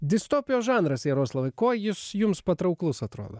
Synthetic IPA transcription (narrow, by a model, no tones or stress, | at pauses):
d̪ʲɪst̪oːpʲɪjoːʒɑːnɾɐsjɛɾoːslˠɐʋɐɪkoːjɪsjʊmspɐt̪ɾɐʊklˠʊsɐt̪ɾo̰ːd̪oː